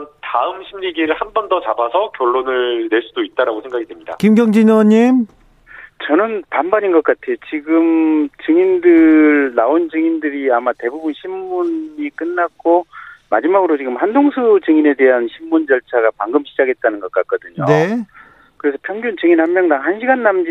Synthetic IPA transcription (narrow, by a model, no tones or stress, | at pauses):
ntaɯmɕʰimɲiɡiɾɯɭhanbʌndʌt͡ɕabasʰʌkjʌɭːonɯɭne̞ɭs͈udoit̚t͈aɾaɡosʰeŋɡaɡidemɲida̰kimɡjʌŋd͡ʑiɲʌɲim | t͡ɕʌnɯnpambaɲinɡʌk͈atʰejot͡ɕiɡɯmt͡ɕɯŋindɯɾnaond͡ʑɯŋindɯɾiamate̞bubunɕʰimːunik͈ɯnːak̚k͈omad͡ʑimaɡɯɾot͡ɕiɡɯmhandoŋsʰut͡ɕɯŋine̞de̞ɦanɕʰimːund͡ʑʌɭt͡ɕʰaɡapaŋɡɯmɕʰid͡ʑaɡe̞t̚t͈anɯnɡʌk͈ak͈ʌdɯɲo̰ne | kɯɾe̞sʰʌpʰjʌŋɡjunt͡ɕɯŋinhammːjʌŋdaŋɦanɕʰiɡanːamd͡ʑi